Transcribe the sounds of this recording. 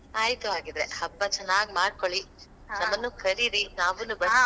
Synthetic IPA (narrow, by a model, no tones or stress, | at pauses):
aːjt̪uaːɡid̪ɾehɐbːɐt͡ʃɛnːaːɡmaːɖkoɭi | nɐmːɐnːuːkʰɐɾiɾinaːʋunːubɐ